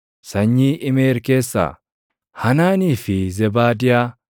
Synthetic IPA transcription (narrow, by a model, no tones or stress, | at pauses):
sɐɲːiːʔɪmeːɾkeːsːa̰ | hɐnaːniːfɪzɛbaːd̪ɪja